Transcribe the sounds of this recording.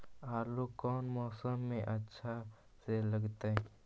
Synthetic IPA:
aːlokɔːnmɔːsəmːẽʔɐtːʃʰa | seləɡt̪aɦɛ

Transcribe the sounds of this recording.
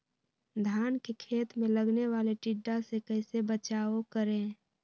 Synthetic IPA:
d̪ʱaːnkekʰeːt̪mẽləɡneʋaːleʈiɖːasekəɪsebət͡ʃaːokəɾẽː

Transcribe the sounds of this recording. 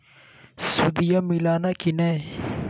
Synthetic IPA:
sud̪ijamilaːnakine

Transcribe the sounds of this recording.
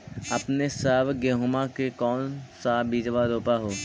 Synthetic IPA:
əpnesəːbɡeɦomakekɔːnsabiːd͡ʒʋaɾoːpaɦoː

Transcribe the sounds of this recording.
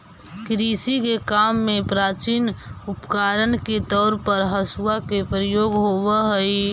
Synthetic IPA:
kɾiːsikekaːmːẽpɾaːt͡ʃiːnʊpkaːɾənket̪ɔːɾpəɾɦəsuakepɾəjoːɡɦoʋəɦəi

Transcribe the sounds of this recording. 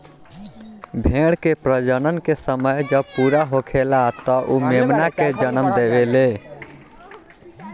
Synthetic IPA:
bʱeɽkepɾəd͡ʒənənkesəməjd͡ʒəb̚puɾaɦokʰelat̪ɔʔumemnaked͡ʒənəmd̪ebele

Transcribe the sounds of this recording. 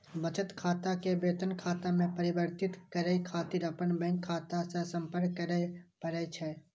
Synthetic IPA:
bət͡ʃət̪kʰaːt̪akebeːt̪ənkʰaːt̪amẽpəɾɪbəɾt̪ɪt̪kəɾəikʰaːt̪iɾəpənbɛ̃ŋkʰːaːt̪asesə̃mpəɾɳkəɾəpəɾət͡ʃʰɛ

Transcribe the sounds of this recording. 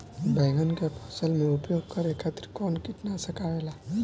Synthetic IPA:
bəjɡʱənkepʰɔsəlmeupjoɡkəɾekʰːat̪ɾkɔːnkiʈnasəkaʋela

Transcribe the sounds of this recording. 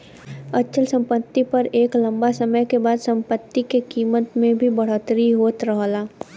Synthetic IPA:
ɐtːʃʰəlsɐ̃mpət̪ːipɐɾeːklɐ̃mbasɐməjkebaːd̪sɐ̃mpət̪ːikekiːmət̪mẽbʱibɐɽ̤ət̪ɾiɦoːt̪ɾəɦlaː

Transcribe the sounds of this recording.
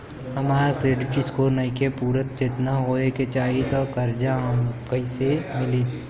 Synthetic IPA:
hɐmaːɾkɾeːɖɪʈɾiskoːɾnɐikepuːɾət̪̚t͡ʃet̪naɦoːeket͡ʃaːɦit̪okɐɾd͡ʒaɦɐmkɐisemɪli

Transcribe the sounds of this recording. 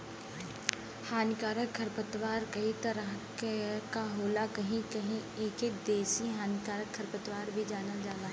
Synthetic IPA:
haːnkaːɾəkʰːɐɾpət̪ʋaːɾkɐɦit̪ɐɾəɦkkaɦoːlakɐɦĩkɐɦĩeːked̪eːsiɦaːnkaːɾəkʰːɐɾpət̪waːɾbʱid͡ʒaːnad͡ʒaːɡ̪aːɦ

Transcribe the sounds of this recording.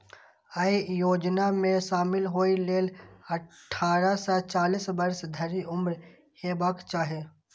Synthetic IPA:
əijoːd͡ʒnamẽʃaːmɪlɦoːileːlɐʈʰːaːɾasat͡ʃaːliːsbəɾsd̪ʱəɾiʔʊmɾ | heːbaːkt͡ʃaːɦe

